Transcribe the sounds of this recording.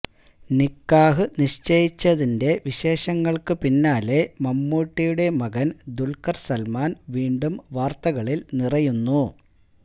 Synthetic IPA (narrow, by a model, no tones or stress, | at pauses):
nikːaːɦɨniɕt͡ɕejit͡ɕːɐðinde̞ʋiɕe̞ːɕɐŋːɐɭkɨpinːaːle̞mɐmːuːʈːijuɽe̞mɐɣɐnd̪ulkɐrsɐlmaːnʋiːɳɖumʋaːrt̪ɐɣɐɭilnirɐjunːu